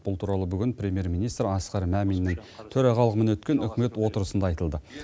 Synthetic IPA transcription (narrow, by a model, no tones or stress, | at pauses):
b̥ʊlˠt̪ʰuɾɑlˠəbʏɡʲɪnpɾʲe̞mje̞ɾmijnijst̪ɾɑsqɑɾmæminːɪŋt̪ʰɵɾɑʁɑlˠəʁəmənwɵt̪kʲe̞nʏkʲɪme̞t̪wo̞t̪əɾəsənd̪ɑɑjt̪əlˠd̪ə